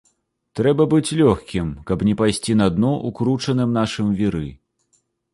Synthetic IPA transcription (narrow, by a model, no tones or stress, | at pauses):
t̪ɾɛbɐbɨt͡sʲlʲɔxkʲimkɐpnʲɛpajsʲt͡sʲinɐd̪nɔʔukɾut͡ʂɐnɨmnaʂɨmvʲiɾɨ